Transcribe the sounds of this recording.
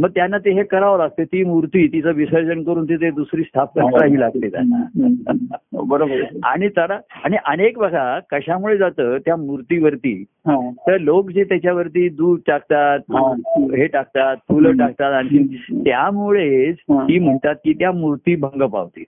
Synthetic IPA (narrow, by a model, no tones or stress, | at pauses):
məɡ̚t̪janːat̪eɦekəɾaʋɾaɡ̚t̪et̪iːmuɾt̪iːt̪it͡səʋisəɾd͡ʑənkəɾuːnt̪it̪̬ed̪usɾiːst̪ʰapəkɾaɦiːlaɡ̚t̪et̪a̰na̰ | bəɾobəa̰ɽ̃it̪əɽaaɽ̃iʔənekbʱəɡʱakəɕamuɭed͡zat̪əːt̪jamuɾt̪iːʋəɾt̪ḭː | ɦãt̪əɾlokd͡ʑet̪jat͡ɕjaʋəɾt̪iːd̪uːɾʈakt̪at̪̚ɦeʈak̚t̪at̪̚fʰuləʈak̚t̪at̪aɽikit̪jamuɭed͡zt̪iːm̤əɳt̪at̪̚kiːt̪jamuɾt̪iːbʱəŋɡəpa̰ʋt̪iː